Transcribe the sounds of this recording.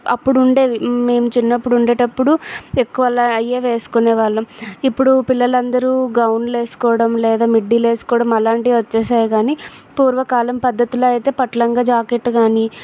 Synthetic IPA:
ɐ̰pːuɽuɳɖe̞ːʋime̞ːmut͡ʃinːɐpːuɽuɳɖeːʈɐpːuɽuekːuʋɐlaɐjːeːʋe̞ːsu̥koneːʋaːɭːɐipːuɽupilːɐlɐnd̪ɐɾuɡɐwnle̞ːsu̥kɔːɽɐmlɛːd̪aːmiɖːile̞ːsu̥kɔːɽɐmɐlaːɳʈiʋɐt͡ʃːɛːsaːjɐɡaːni | puːɾʋɐkaːlɐmpɐd̪ːɐt̪iloːɐjt̪e̞ːpɐʈlɐŋɡaːd͡ʒaːkeʈːɡaːni

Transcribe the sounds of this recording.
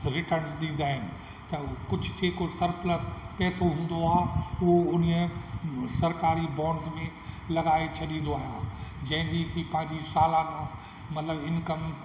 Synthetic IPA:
ɾɪʈənzɗĩːn̆d̪aːɦɪnɪ̆ | t̪ɐkʊd͡ʑʱʊ̥kʰeːkosɐɾplət̪pɛːsoɦũːn̆d̪oaːɦːuʊn | sɐɾkaːɾibɔ̃ːɳɖzmẽ | lɐɡaːet͡ɕʰɐɗĩːn̆d̪oaːɦijaːd͡ʑɐ̃ɦɪ̃ɲd͡ʑikipɐ̃ɦɪ̃ɲd͡ʑisaːlã | mɐt̪ləbɪnkɐm

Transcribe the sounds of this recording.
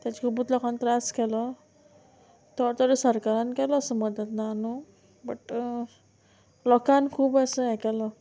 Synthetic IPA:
t̪jat͡ɕikʰubut̪lɔkant̪ɾaskɛlə | t̪ɔt̪əɾəsəɾkaɾankɛlɔːsəməd̪ət̪naːnu | bəʈ | lɔkankʰuːbəsəɦɛ̃kɛlə

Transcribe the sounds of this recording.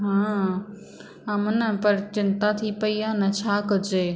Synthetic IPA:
ɦãː | əmənəpɐɾt͡ʃɪnt̪at̪ʰipəiaːnɐt͡ʃʰaːkəd͡ʒeː

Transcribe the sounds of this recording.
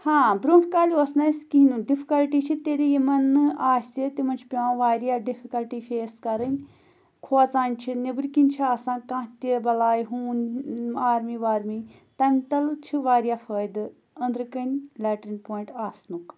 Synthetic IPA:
hãːbɾuːɳʈʰkaːlʲuɐsnɐskiɦnuɖifʰi̥kɐlʈiːt͡ʃʰit̪elijimɐnɨaːsʲet̪imɐnt͡ʃʰi̥pʲiʋãːʋaːɾjaːɖifʰikɐlʈifeːskɐɾənʲ | kʰoat͡saːnʲt͡ʃʰinɐbɾkinʲt͡ʃʰiaːsãːkãːt̪ibɐlaːjɦuːnaːɾmiʋaːɾmi | t̪ɐmʲt̪ɐlt͡ʃʰiʋaːɾjaːfəːjd̪ɨ | ɐ̃nd̪ɾɨkɐnʲlɛːʈɾinʲpoːiɳʈaːsnuk

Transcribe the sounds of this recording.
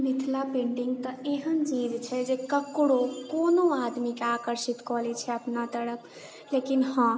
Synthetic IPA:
mit̪ʰlapẽɳɖiŋɡt̪ə̃eɦənt͡ʃid͡ʒt͡ʃʰɛd͡ʒekəkɽokonoad̪mikeakəɾʃit̪kɔɦlɛt͡ʃʰɛəpnat̪əɽək | lekinhə̃

